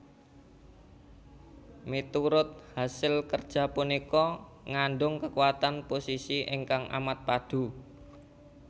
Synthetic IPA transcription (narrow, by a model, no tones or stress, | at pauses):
mit̪uɾʊt̪̚hasɪlkərd̥ʒ̥a̤punikɔ | ŋaɳɖʊŋkəkuwat̪anposisiɪ̰ŋkaŋʔa̰mat̪̚pad̥ṳ